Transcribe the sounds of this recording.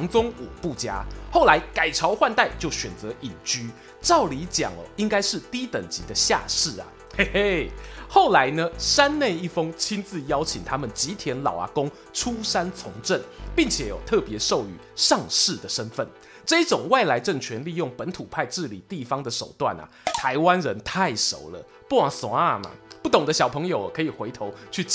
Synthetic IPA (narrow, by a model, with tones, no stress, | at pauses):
ŋt͡sʊ˥ŋu˨˩pu˥˨t͡ɕja̰˦˥xo˥˩ʊla˨˧˦ɪka˨˩ɪʈ͡ʂʰɑ˧˥ʊxwa˥˧nt̪a˥˩ɪt͡ɕjo˥˩ʊɕɥɛ˨˩nt͡sə˨˧˦ʔi˨˩nt͡ɕy˥ | ʈ͡ʂɑ˥˩ʊli˧˥t͡ɕjɑ̰˨˩ŋə̰˨˦i˦ŋka˥ɪʂɻ̩˥˩t̪i˥t̪ə˨˩ŋt͡ɕi˨˥d̪ə˧ɕja̰˥˧ʂɻ̩˥˩ɐ̰˩˥ | xo˥˩ʊla˧˦ɪnə˧ʂa˦˥nne˥˧ɪi˥˩fɤ˦˥ŋt͡ɕʰi˥nt͡sɹ̩˥˧jɑ˥ʊt͡ɕʰi˨˩ŋt̪ʰa˥mə˨nt͡ɕi˧˦t̪ʰjɛ˧˦˥nlɑ̰˨˩ʊa̰˨˦kʊ˦˥ŋ | ʈ͡ʂʰu˦˥ʂa˥nt͡sʰʊ˧˥ŋʈ͡ʂə˥˩npi˥˩ŋt͡ɕʰjɛ˨˧˥jo̰˨˩ʊt̪ʰɤ˥˩pjɛ˧˥ʂo˥˩ʊy̰˨˩ʂɑ˥˧ŋʂɻ̩˥˩d̪ə˩ʂə˦˥nfə˥˩n | ʈ͡ʂɤ˥˧i˥ʈ͡ʂʊ˨˩ŋwa˥˩ɪla˧˥ɪʈ͡ʂə˥˩ŋt͡ɕʰɥɛ˧˦nli˥˧jʊ˥˩ŋpə˧˦nt̪ʰu˨˩pʰa˥˧ɪʈ͡ʂɻ̩˥˩lḭ˨˩t̪i˥˩fɑ˥ŋd̪ə˨ʂo˨˩ʊt̪wa̰˥˩nɐ̰˩t̪ʰa˧˦˥ɪwa˦˥nɻə˧˦nt̪ʰa˥˩ɪʂo̰˧˥ʊlə̰˨ | pu˥˩wa˨˩ŋswa˥˩ma̰˨˩pu˥˩t̪ʊ˨˩ŋd̪ə˦ɕjɑ˨˩ʊpʰɤ˧˥ŋjo˨ʊə˨˩kʰɤ˧˥i˨˩xwe˧˥ɪt̪ʰo˧˥ʊt͡ɕʰy˥˩